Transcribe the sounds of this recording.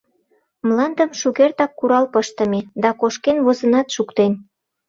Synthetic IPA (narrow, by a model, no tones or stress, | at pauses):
mlɑnd̪ə̆mʃuɣert̪ɑkːuɾɑlpəʃt̪ə̆med̪ɑkoʃkenβozə̆nɑt̪ʃukt̪en